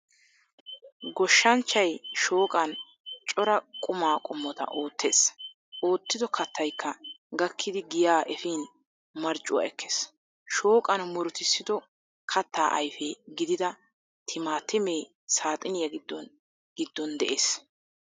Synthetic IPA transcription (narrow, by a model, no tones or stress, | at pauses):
ɡɔʃːɐnt͡ʃːɐjʃoːkʼɐn | t͡ʃʼɔɾɐkʼʊmaːkʼɔmːɔt̪ɐ̰ʔo̞ːt̪ʰːeːs | ʔo̞ːt̪ːɪd̪ɔkʰɐt̪ʰːɐjkʰːɐɡɐkʰːɪd̪ɪɡɪjaːʔɛfiːn | mɐɾt͡ʃʼːʊwa̰ɛkʰːe̥ːs | ʃo̞ːkʼɐnmʊɾʊt̪ɪsːɪd̪ɔ | kʰɐt̪ːaːʔɐjfɛɡɪd̪ɪd̪ɐ | t̪ʰɪmaːt̪ɪmeː | saːt̪ʼɪnɪjɐɡɪd̪ːɔn | ɡ̥ɪd̪ːɔnd̪ɛʔeːs